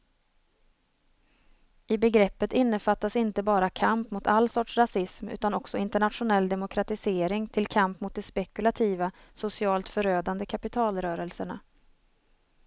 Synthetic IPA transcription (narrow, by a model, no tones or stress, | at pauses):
ɪbɛɡɾɛpːət̪ɪnːəfat̪ːasɪnt̪əbɑːɾakʰampmʊt̪ʰalːsɔʈʂɾasɪsmʉ̟ːt̪anɔksɔɪnt̪əɳat̪ɧʊnɛlːd̪ɛmʊkʰɾat̪ɪseːɾɪŋt̪ʰɪlkʰampmʊt̪̚d̪ɛspɛkɵlat̪ʰiːva | sʊsɪɑːlt̪fœɾøːd̪and̪əkʰapɪt̪ʰɑːlɾœːɾəlsəɳa̰